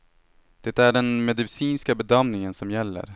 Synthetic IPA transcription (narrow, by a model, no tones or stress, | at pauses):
d̪̥ɛt̪æɖɛnmɛd̪ɪsiːnskabɛd̪amnɪŋənsɔmjɛlːə̰ɾ